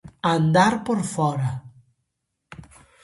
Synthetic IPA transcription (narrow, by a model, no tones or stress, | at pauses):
and̪aɾpoɾfɔɾɐ